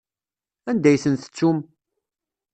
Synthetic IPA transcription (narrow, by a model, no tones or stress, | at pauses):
ænd̪æjsənθə̥t͡sːum